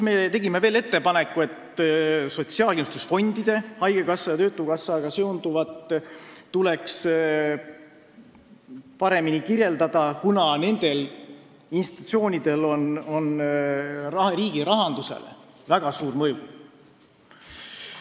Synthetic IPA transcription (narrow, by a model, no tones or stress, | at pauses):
me̞t̪e̞ɡimeve̞ːle̞t̪ːe̞pɑne̞kːˑue̞t̪so̞t̪siɑːlkinust̪usfo̞nʲd̪̥id̪̥e̞hɑjɡ̥ekɑsːɑjɑt̪øːt̪ːˑukɑsːɑɡɑseund̪uvɑt̪ː | ule̞ks | pɑɾe̞minikirje̞ld̪ɑd̪̥ɑkunɑne̞nd̪̥e̞l | inst̪it̪u̥t̪sio̞ːnʲid̪e̞lo̞no̞n | rɑɾiːɡiɾɑɦɑnd̪use̞̰lḛ | væɡ̥ɑsuːɾmɤju